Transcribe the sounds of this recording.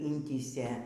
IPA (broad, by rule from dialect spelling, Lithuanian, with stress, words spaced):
ˈɪnʲtʲiːsʲeː